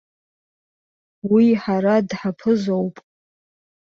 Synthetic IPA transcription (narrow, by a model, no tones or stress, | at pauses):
wiħaɾadħapʰɨzowpʼ